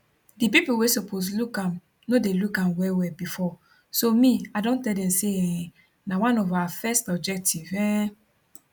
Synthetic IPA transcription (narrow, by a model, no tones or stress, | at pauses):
dipipuwesopʰos̬lukãm | nodelukãmwɛwɛbifɔ | somĩadõntɛldɛ̃mseɛɛ̃ | nãwãnɔvawafɛstɔb̚d͡ʒɛk̚tʰivɛ̃